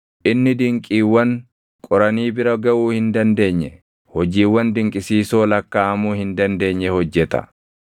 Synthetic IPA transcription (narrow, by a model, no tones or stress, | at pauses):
ʔɪnːɪd̪ɪŋkʼiːwːɐŋ | kʼɔɾɐniːbɪɾɐɡɐʔuːhɪnd̪ɐnd̪e̞ːɲːɛ | hɔd͡ʒiːwːɐnd̪ɪŋkʼɪsiːso̞ːlɐkːaːmuːhɪnd̪ɐnd̪e̞ːɲːɛhɔd͡ʒːɛt̪ɐ̰